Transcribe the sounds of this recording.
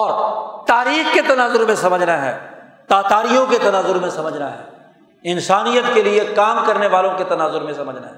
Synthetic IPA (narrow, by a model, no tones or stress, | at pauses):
ɔːɾt̪aːɾiːxket̪ɐnaːzʊɾmẽsɐməd͡ʒʱnaɦɛ̰ː | t̪aːt̪aːɾijõket̪ɐnaːzʊɾmẽsɐməd͡ʒʱnaɦɛ̰ː | ɪnsaːnijət̪keliekaːmkɐɾneʋaːlõket̪ɐnaːzʊɾmẽsɐməd͡ʒʱna̰ɦɛː